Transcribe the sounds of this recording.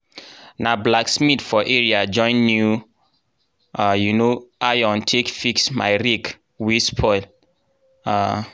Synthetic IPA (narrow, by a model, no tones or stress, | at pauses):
nablaksmitfɔʔeɹiad͡ʒɔ̃ɪ̃nːju | ajunoajɔ̃ntʰekfiksma̰ɪɹik | wispʰɔɪl | a